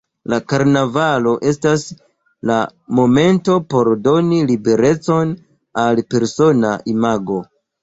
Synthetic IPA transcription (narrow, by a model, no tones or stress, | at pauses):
lakaɾnavalo̞ʔe̞stas | lamo̞me̞nto̞po̞ɾdo̞nilibe̞ɾe̞t͡so̞n | alpe̞ɾso̞naʔimaɡo̞